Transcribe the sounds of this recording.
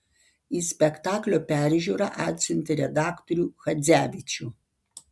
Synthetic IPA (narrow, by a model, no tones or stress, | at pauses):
iːsʲpʲɛkt̪ɑːklʲoːpʲæˑɾʲʒʲuːɾɑʔɑːt̪ʲsʲʊnʲt̪ʲɪɾʲɛd̪ɑːkt̪ɔɾʲuːxɐd̪zʲæːʋʲɪt͡ʃʲuː